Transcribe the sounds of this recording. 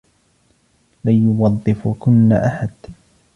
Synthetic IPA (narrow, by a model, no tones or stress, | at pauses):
laːjʊwɑðˤːɨfkʊnːa̰ʔaħad̪